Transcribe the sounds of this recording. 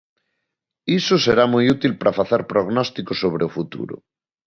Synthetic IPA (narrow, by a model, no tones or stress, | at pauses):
isoseɾamujut̪ilpɾafaθeɾpɾoɣnɔst̪ikosoβ̞ɾeofut̪ṵɾo̰